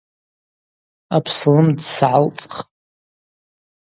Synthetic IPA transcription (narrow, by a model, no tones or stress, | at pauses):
apʰsɨlɨmdsʕalt͡sʼχ